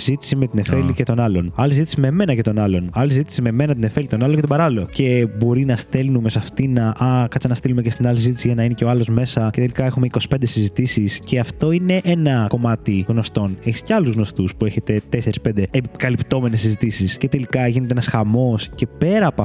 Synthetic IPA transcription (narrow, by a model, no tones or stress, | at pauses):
zit̪i̥simet̪inefelicet̪o̞nɐlo̞nɐlisizit̪i̥simeme̞nɐcet̪o̞nɐlo̞nɐlisizit̪i̥simeme̞nɐt̪̬ine̞felit̪o̞nɐloɲcet̪obɐɾɐlloce̞bo̞ɾinɐst̪e̞lnume̞sɐft̪inɐʔɐkɐt͡sɐnɐst̪ilumecest̪inɐlis̬izit̪isiʝɐnɐineceoɐlo̞zme̞sɐce̞t̪e̞likɐexumeiko̞si̥pend̪e̞sizit̪isisceɐft̪o̞ine̞ʔenɐko̞mɐt̪iɣno̞st̪o̞neçi̥sceɐluzɣno̞st̪uspue̞çe̞t̪e̞t̪ese̞ɾispend̪eepkɐlipt̪o̞me̞nesːizit̪isisce̞t̪e̞likɐʝinet̪eenɐsxɐmo̞sce̞pe̞ɾɐːpɐ